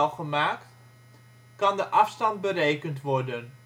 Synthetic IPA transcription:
lˠχəmaːkt | kɑndəʔɑfstɑnd̚bəɾejkəntʋɔɹdən

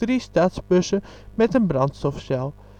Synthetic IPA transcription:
ristaːtsbøsə | mɛtənbrɑntstɔfsɛlˠ

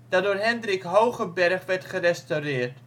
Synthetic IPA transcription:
d̥ɑdoːrɦɛndrɪkɦowχəbɛrχʋɛrtχərɛstowrɪːrt

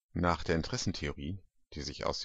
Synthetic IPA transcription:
naːχd̥eːɐɪntʁ̥ɛsn̩tʰeoʁiː | d̥iːzɪça̰ʊs

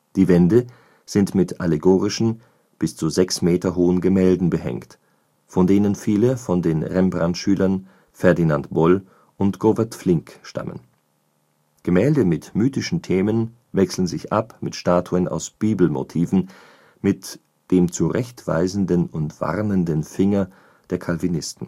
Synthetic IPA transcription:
d̥iːvɛndə | z̥ɪntmɪtʔaleɡoːʁɪʃn̩ | b̥ɪst͡suzɛksmeːtɐɦoːənɡəmɛːldn̩bəhɛ̰ŋkt | fɔndeːnənfiːləfɔndeːnʁɛmbʁantʃyːlɐn | fɛɐdinantb̥ɔl | ʔʊntɡ̥ovɛɐtflɪŋkʃta̰mə̰n | ɡ̥əmɛːldəmɪtmyːtɪʃn̩tʰeːmən | vɛksl̩n̩zɪçʔapmɪtʃtaːtʰuəna̰ʊsb̥iːbl̩mo̰tʰiːvn̩ | mɪt | d̥eːmt͡suʁɛçtv̥a̰ɪzn̩dənʊntv̥a̰ʁnəndənfɪŋɐ | d̥eːɐkʰalvinɪstn̩

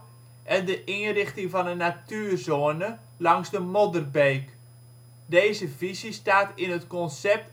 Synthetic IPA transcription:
ʔɛndəʔɪnrɪχtɪŋvɔnənatyːrzoənə | lɑŋzdəmodərbeːk | deːzəvizistaːtɪnɦətkɔnsɛp̚t

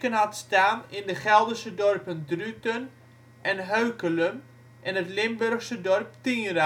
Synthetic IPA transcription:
kənɦatstaːnɪndəχɛlˠdəsədɔrpəndrytən | ʔɛnɦøɥkələm | ʔɛnətlɪmbørxsədɔrp̚tiːra

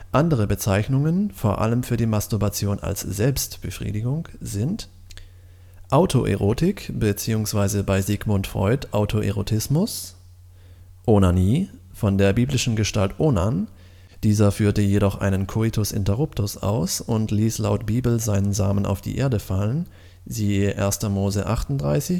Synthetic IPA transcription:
ʔandəʁ̞əbət͡saɪçnʊŋənfoːɐʔa̰ləmfyːɐdiːmastuɐbat͡sjoːna̰lsz̥ɛlpstb̥əfʁ̥ḭːdɪɡʊŋz̥ɪnt | ʔaʊtʰoʔḛʁoːtɪkb̥ət͡siːʊŋsv̥aɪzəbaɪzɪɡmʊntfʁ̥ɔ̰ʏtʔaʊtʰoʔḛʁotʰɪsmʊs | ʔonaniːfɔndeːɐbiːblɪʃn̩ɡəʃtaltʔonan | d̥iːzɐfyːɐtəjeɾɔχʔa̰ɪnənkʰoɪtʰʊsɪ̰ntɛʁʊptʊsʔa̰ʊsʊntliːslaʊtb̥iːbl̩zaɪnənzaːməna̰ʊfd̥ḭːʔeːɐdəfalən | ziːəʔḛːɐstɐmoːzəʔaχtʊn̩td̥ʁaɪsɪç

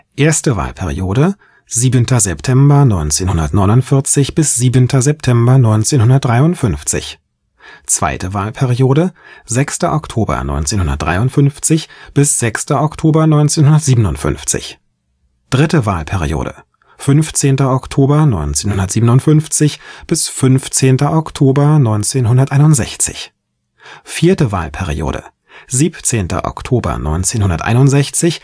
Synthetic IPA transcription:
ʔeːɐstəva̰ːlpʰɛʁḭoːɾə | ziːbəntʰɐzɛptʰɛmbɐnɔʏnt͡seːnhʊndɐtnɔʏnʊntfɪɐt͡sɪçb̥ɪsz̥iːbəntʰɐzɛptʰɛmbɐnɔʏnt͡seːnɦʊndɐt̚d̥ʁaɪʊntfʏnft͡sɪ̰ç | t͡sv̥a̰ɪtəvaːlpʰɛʁioːɾəzɛkstɐʔɔktʰoːbɐ̰nɔ̰ʏnt͡seːnhʊndɐ̰t̚d̥ʁa̰ɪʊntfʏnft͡sɪçb̥ɪsz̥ɛkstɐʔɔktʰoːbɐnɔʏnt͡seːnhʊndɐtz̥iːbənʊntfʏ̰nft͡sɪ̰ç | d̥ʁɪtəvaːlpʰɛʁ̞ḭjo̰ːɾə̰ | fʏnft͡seːntɐʔɔktʰoːbɐnɔʏnt͡seːnhʊndɐtz̥iːbənʊntfʏnft͡sɪçb̥ɪsfʏnft͡seːntɐʔɔktʰoːbɐnɔʏnt͡seːnɦʊndɐtʔaɪnʊntz̥ɛçt͡sɪ̰ç | fiːɐtəva̰ːlpʰɛʁ̞ḭjo̰ːɾə̰ | ziːpt͡seːntɐ̰ʔɔ̰ktʰoːbɐ̰nɔ̰ʏnt͡seːnhʊndɐtʔa̰ɪnʊntz̥ɛçt͡sɪç

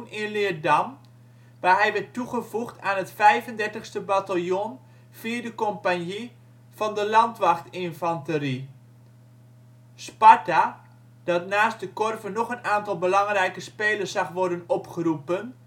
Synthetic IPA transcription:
nɪnlɪərdam | ʋaːɦɛjʋɛtːuχəvuxtʰaːnɦətfɛjvəndɛrtəxstəbatalˠjon | fiədəkompanji | fɑndəlɑntʋaxtɪnfɔntəɾi | spata | d̥ɔtnaːstdəkorvənːɔχənaːntɔlˠbəlɑŋrɛjkəspeːlərsːɑxʋɔrdənɔpχərupən

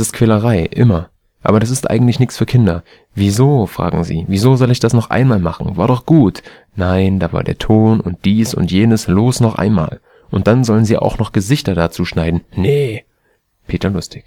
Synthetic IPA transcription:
sɪstkʰv̥ɛːləʁaɪʔɪmɐ | ʔa̰ːbɐɾas̬ɪstʔa̰ɪɡŋ̩tlɪçnɪçt͡sfyːɐkʰɪndɐ | viːzoːfʁ̥a̰ːɡŋ̩zḭːviːzoːzɔlɪçd̥asnɔχʔa̰ɪnmaːlmaχn̩vaːɐɾɔχɡ̥uːt | naɪndaːva̰ːɐdḛːɐtʰoːnʊ̰nt̚d̥iːsʊ̰ntjeːnəsloːsnɔχʔa̰ɪnma̰ːl | ʔʊnt̚d̥anzɔlənziːʔa̰ʊxnɔχɡ̥əzɪçtɐdat͡suːʃnaɪdn̩nə | pʰeːtɐlʊstɪç

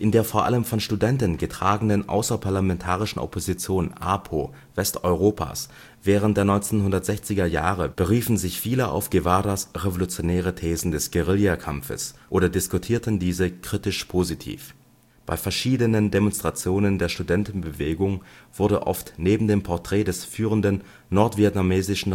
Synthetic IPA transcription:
ʔɪndeːɐfoːɐʔa̰ləmfɔnʃtudɛntn̩ɡətʁ̥aːɡŋ̩n̩dənʔa̰ʊsɐpʰaɐlamɛntʰaːʁ̞ɪʃn̩ʔɔ̰pʰozit͡sjoːnʔaːpʰoː | v̥ɛstʔɔ̰ʏʁoːpʰa̰ːs | v̥ɛːʁəntd̥eːɐnɔʏnt͡seːnɦʊndɐtz̥ɛçt͡sɪɡɐjaːʁəb̥əʁiːfn̩zɪçfiːləʔa̰ʊfɡ̥evaːdasʁevolut͡sjonɛːʁ̞ətʰɛːzn̩dɛsɡ̥əʁɪljakʰamfə̰sʔoːɾɐdɪskutʰiːɐtən̩diːzəkʁ̥itɪʃpʰozitʰḭːf | b̥a̰ɪfɛɐʃiːdənəndemɔnstʁ̥at͡sjoːnəndeːɐʃtudɛntn̩bəveːɡʊŋv̥ʊɐdə̰ʔɔ̰ftneːbm̩deːmpʰɔɐtʁ̥ɛːdɛsfyːʁəndənː | ɔɐtv̥iɛtnameːzɪʃn̩

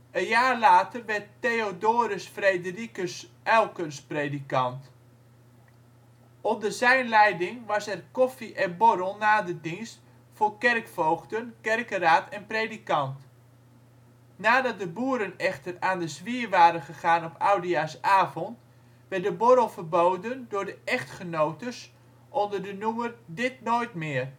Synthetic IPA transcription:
ənjaːrlaːtərʋɛrtːeodoːɾəsfredərikəs | ɛlˠkənspredikɑnt | ɔndəzɛjnlɛjdɪŋʋɑsɛrkɔfiʔɛnboɾəlˠnaːdədinst | fʊːrkɛrkfowχtənkɛrkəraːtʰɛnprejdikɑnt | naːdɑt̚dəbuːɾənɛχtəraːndəzʋiəʋaːɾənχəχaːnɔpawdiasaːvɔnt | ʋɛrt̚dəboɾəlˠfərbowdəndʊːɹdəʔɛχtχənowtəs | ʔɔndərdənumərdɪtnoːjtmɪːər

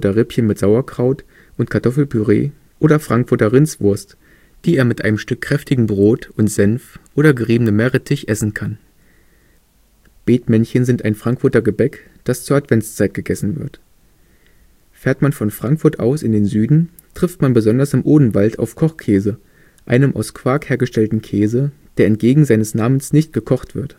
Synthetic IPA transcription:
dɐʁɪpçənmɪtz̥aʊɐkʁ̥aʊt | ʔʊntkʰaɐtʰɔfl̩pʰyʁḛː | ʔoːɾɐfʁ̥aŋkfʊɐtɐʁɪnt͡sv̥ʊɐst | d̥iːeːɐmɪtʔa̰ɪnəmʃtʏkʰːʁ̥ɛftɪɡŋ̩bʁoːtʔʊntz̥ɛnfʔoːɾɐɡəʁiːbənəmːɛʁətʰɪçʔɛsn̩kʰan | b̥eːtmɛnçənzɪntaɪnfʁ̥aŋkfʊɐtɐɡəbɛk | d̥ast͡suːɐatv̥ɛnt͡st͡saɪt̚ɡ̥əɡɛsn̩vɪɐt | feːɐtmanfɔnfʁ̥aŋkfʊɐtʔa̰ʊsɪndeːnzyːdn̩ | tʁ̥ɪftmanbəzɔndɐsɪmʔoːdn̩valta̰ʊfkʰɔχkʰɛːzə | ʔaɪnəmʔa̰ʊskv̥aːkheːɐɡəʃtɛltn̩kʰɛːzəd̥eːɐɛnt̚ɡ̥eːɡŋ̩zaɪnəsnaːmənsnɪçt̚ɡ̥əkʰɔχtv̥ɪɐt

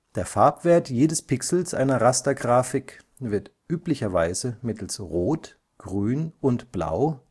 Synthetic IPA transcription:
d̥eːɐfaɐpv̥eːɐtjeːdəspʰɪksl̩sʔa̰ɪnɐʁastɐɡʁaːfɪk | vɪɐtʔyːplɪçɐvaɪzəmɪtl̩sʁoːt | ɡ̥ʁyːnʊntb̥la̰ʊ

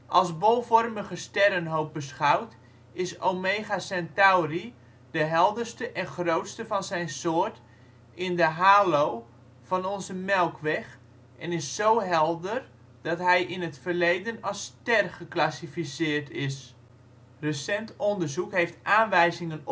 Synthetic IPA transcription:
ʔɑlˠsbɔlˠvɔrməɣəstɛɾənɦowp̚bəsχawt | ɪsowmeːχasɛntawri | dəɦɛlˠdərstəʔɛnχrowtstəvɑnzɛjnsoːərt | ɪndəɦaːlow | v̥ɑnɔnzəmɛlˠkʰʋɛχ | ʔɛnɪsːowɦɛlˠdər | d̥ɑtɦɛjʔɪnətfərlejdənɑlˠstɛrχəklasifisɪːrtʰɪs | rəsɛntɔndərzukɦejftʔaːnʋɛjzɪŋən

